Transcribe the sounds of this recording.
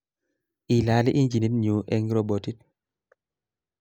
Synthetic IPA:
ʔi˨la˨˦li˦ʔi˦nd͡ʒi˨ni˦tɲu˨ʔɛ˦ŋɡɾo˨bɔ˨ti˦t̚

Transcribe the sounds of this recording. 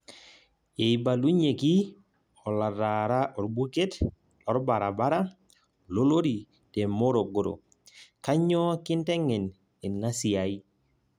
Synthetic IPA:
e˨jba˨lu˦ɲe˨ki˦ | ɔ˨la˨ɾa˨ɾa˦ʔɔ˨ɾbu˦ke˦t | lɔ˦ɾba˨ɾa˨ba˦ɾa˦ | lo˦lo˦ɾi˨ | te˨mo˦ɾo˨ɡo˨ɾo̰˨ | ka˦ɲɔ˦kɪ˦ntɛ˦ŋɛ˨n | i˨nːa˦sɪ˨a˨i˦

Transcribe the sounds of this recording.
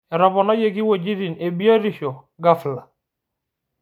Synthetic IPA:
ɛ˨ɾɔ˨βɔ˨nɔ˦je˦˨ɡi˦wo˨d͡ʒi˦ɾi˨ne˨bi˦ɔ˦ɾi˦ʃɔ˨ | ɡa˦fla˨

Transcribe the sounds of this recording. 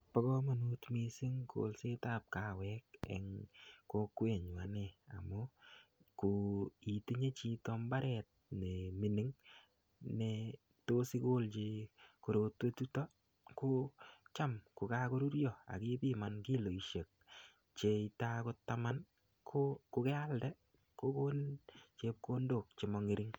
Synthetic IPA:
pɔ˦kɔ˦ma˨nu˦tmi˨si˦ŋkʰo̰˨lse˦ta˦p̚ka˨˦wɛ˦k̚ɛ̰˨ŋko˦kwe˨ɲwa˨ne˨a̰˨mʊ˦ku˨i˨te˦ɲe˦t͡ʃi˧tɔ˦mba˦ɾɛ˨t̚ne˨mi˨ni˨˦ŋ | ne˨ | to˦si˦ko˦lt͡ʃe˧ko˨ɾo˧twe˦tu˦tɔ˦ | ko˦t͡ʃa˦mku˨ka˦ko˦ɾu˦ɾjɔ˨a̰˨ki˦pi˦ma˨nki˦lo˨i˨ʃe˨k̚ | t͡ʃe˧itako˦tama˦n | kʰoku˧kɛ˦a˦ldɛ˦ | ko˦ko˦nt͡ʃe˧p̚ko˦ndo˨k̚t͡ʃe˨mɔ˧ŋe˦ɾi˦ŋ

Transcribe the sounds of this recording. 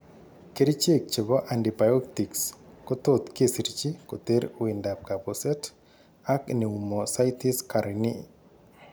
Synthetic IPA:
ke˦ɾi˦t͡ʃe˦k̚t͡ʃe˨bɔ˦ʔandi˨ba˨jo˦k̚ti˨ksko˦t̪ot̪ke˦si˨ɾit͡ʃi˦ko˨t̪e˦ɾi˨nda˨p̚ka˨po˨sɛ˦t | a˦kne˨u˨mɔ˨sa˦jti˦ska˨ɾini˦

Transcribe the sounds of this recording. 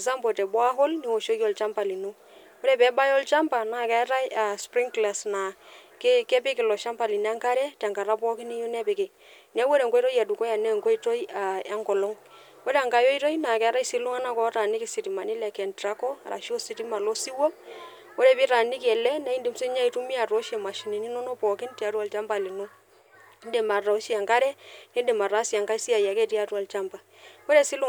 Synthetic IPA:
za˦mbo˨tɛ˨bwa˦ɦɔ˦lni˨wo˨ʃo˦ki˦ɔ˨lt͡ʃa˦mpa˨li˨nu˦ | wɾɛ˦˨pɛ˨˦ba˦jɔ˦lt͡ʃa˦mpa˨na˨kɛ˦ɾa˦ja˨spɾi˦ŋkla˨sna˨kkɛ˦pɪ˦kɪ˨lɔ˨ʃa˦mpa˨li˨na˦ŋka˦ɾɛ˦tɛ˨ŋka˨ɾa˦pɔ˦ki˦ni˦jo˦nɛ˦pɪ˨kɪ˨ | na˦wo˦ɾɛ˨ŋɡo˦tɔ˦ja˨du˨kɔ˦ja˨nɛ˦˨ŋko˦i˦to˦ja˨a˦ŋɡɔ˨lɔ˦ŋ | wo˦ɾe˦a˨ŋɡa˨jo˦i˦to˦i˦na˨kɛ˨a˦ɾa˦i˦si˦lu˦ŋa˦na˦˨kɔ˨˦ta˨ni˦ki˨si˨ti˨ma˨ni˦lɛ˨kɛ˨ntɾa˦kɔ˦a̰˨ɾa̰˨ʃo˦si˨ti˦ma˨lo˦si˦wɔ˦p̚ | wo˦ɾe˨pi˦ɾa˨ni˦kɛ˨lɛ˦na˦i˦ndi˦mse˦ɲa˦i˨tu˦mi˦a˨tɔ˦ʃɛ˨ma˨ʃi˨ni˨ni˦nɔ˦no˦pɔ˨ki˦nti˨a˨˦twa˨lt͡ʃa˦mba˨li˨no˦ | nde˨ma˨ɾa˨o˦ʃi˦a˨ŋka˦ɾɛ˦ne˦de˨ma˨ɾa˦si˨a˨ŋɡa˦i˦si˦a˨ja˨kɛ˦˨ti˦a˦twa˨lt͡ʃa˦mba˨ | wo˦ɾe˦˨si˦lu˦

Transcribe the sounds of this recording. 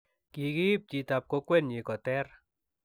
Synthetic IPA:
ki˨ki˦p̚t͡ʃi˨ta˨p̚ko˦kwɛ˦nɲi˨kɔ˨tɛ˦r

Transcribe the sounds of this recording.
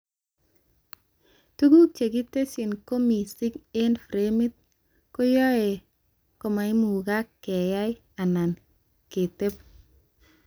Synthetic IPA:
tu˦ɡu˦t͡ʃe˨ɡi˦te˦si˨nko˦mi˨sɪ˦ke˦nfɾe˦mɪ˦t̪̚ | ko˦jɔ˦e˨ | ko˨ma˨i˦mu˨ɡa˦kːɛ˨ja˦j | a˨na˨n | ke˨te˦p̚

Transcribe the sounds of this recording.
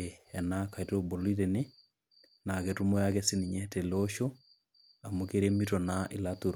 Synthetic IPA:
ɛ˨na˦ka˨itobo˨li˦ɾene˦ | na˨ketu˦mɔ˦jakɛsi˦niɲɛ˦tɛ˨loʃo˦ | a˨mokeɾemitɔ˨naʔɪ̰˨lato˨ɾ

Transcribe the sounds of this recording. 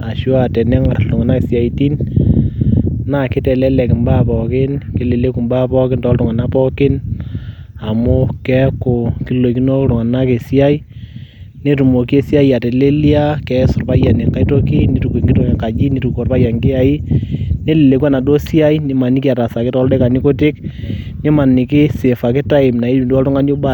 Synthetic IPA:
a˨ʃo˦a˨tɛ˨nɛ˦ŋa˨rtʊ˨ŋa˨na˦ke˨sja˨i˦ti˦n | na˦˨kɪ˦tɛ˨lɛ˦lɛ˨kɪ˨mba˦pɔ˨kɪ˦nkɪ˦le˨le˦ku˨mba˦pɔ˦kɪ˦ntɔ˦ltʊ˨ŋa˨na˦pɔ˦kɪ˦n | a˨mʊ˦kɛ˦kʊ˨ki˨˦lo˨ki˦no˦ɾʊ˨ŋa˨na˦ke˨sa˦i˦ | ne˦tu˨mo˨ke˦sja˦i˦a˨te˨le˦li˦a˦kɛ˦sʊ˨rpa˦ja˨ne˨ka˦i˦to˦ki˦ne˦tu˨kwe˨ŋɡɪ˦tu˦˨kɛ˨ka˨d͡ʒi˦ni˦tu˨kɔ˨rpa˦ja˨ŋɡɪ˦a˨i˦ne˦le˨le˨kwa˦na˨do˦sja˦i˦nɪ˦ma˨nɪ˦ki˦a˨ta˨sa˨kɪ˦tɔ˦lde˦ka˨ni˦ko˦tɪ˦knɪ˦ma˨nɪ˨kɪ˦sɪ˨fa˨kɪ˦ta˦ɪ˨mna˨i˦i˨dɔ˦ltʊ˦ŋa˦njo˦ba˨

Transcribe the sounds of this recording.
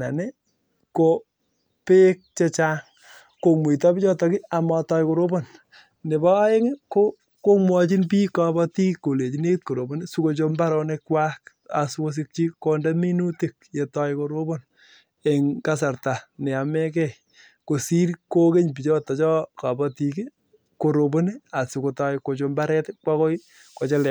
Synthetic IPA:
a˨ne˦ | ko | pe˦k̚t͡ʃe˦t͡ʃa˦ŋ | ko˨mwe˨tɔ˦pi˦t͡ʃɔ˦tɔ˨kɪ˦a˨mɔ˨tɔ˦jko˨ɾo˦bo˦˨n | ne˨bɔ˦a˦e˦ŋ˦ko˦ | ko˦mwɔ˦t͡ʃi˦np̬iː˦ka˦bɔ˦ti˦kːo˨le˨t͡ʃi˦ne˦t̚ko˨ɾo˨bo˦nsu˦ko˨t͡ʃo˦mba˦ɾɔ˦nekwa˦k | a̰˨so˦s̬i˦k̚t͡ʃi˦kɔ˦nda˦mi˦nu˦ti˦k̚je˨tɔ˦ɪko˨ɾo˦bo˦n | e˨ŋka˦s̬a˨ɾta˨ne˨a˨mɛ˦kɛ˨ | ko˨si˦ɾko˦ke˦ɲp̬i˨t͡ʃɔ˦tɔ˨t͡ʃɔ˦ka˨bɔ˦ti˨ki˦ | ko˨ɾo˨bo˦ni˦a˨su˨ko˨tɔ˨jko˨t͡ʃo˨mba˦ɾɛ˦tɪkwa˦ko˦j | ko˨t͡ʃe˦lɛ˨

